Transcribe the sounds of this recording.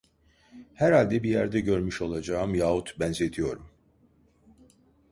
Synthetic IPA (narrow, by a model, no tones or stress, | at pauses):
hæɾhalʲd̪ɛbijæɾd̪ɛɟø̞ɾmyʃo̞lˠad͡ʒaːɯmjaːut̪ʰbænzet̪ʰijo̞ɾum